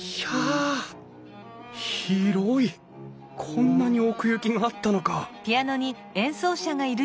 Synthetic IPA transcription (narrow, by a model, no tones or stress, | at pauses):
ja | ççiɾoi | kʰõ̞nːaɲ̟io̞kɯ̟jɯkʲiɡaːt̪ːano̞kapʲiano̞ɲ̟i | ẽ̞ɰ̃so̞ːɕaɡaiɾɯ̟